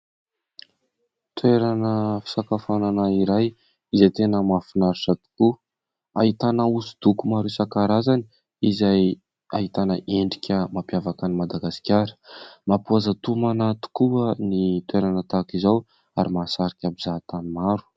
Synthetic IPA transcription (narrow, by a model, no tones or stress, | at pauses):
t̪weɾanəfi̥sakafananaiɾaj | izajt̪enəmafinaɾusat̪i̥ku | a̰ɦit̪anausud̪̥ukumaɾuisakaɾazani | izaj | aɦit̪anəʔeɳɖ͡ʐikʲʰəmapjavakanimad̪aɡasi̥kʲaɾə̥mapuazat̪umanat̪u̥kuənit̪weɾanət̪akizaw | aɾimasaɾikʲabizat̪amimaɾu̥